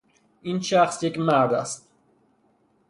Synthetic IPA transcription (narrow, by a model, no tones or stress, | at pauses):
inʃæχsjekmæɾd̪æst̪̚